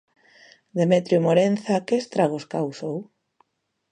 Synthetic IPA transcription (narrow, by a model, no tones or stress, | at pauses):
d̪emet̪ɾjomoɾenθakest̪ɾaɣ̞oskawsow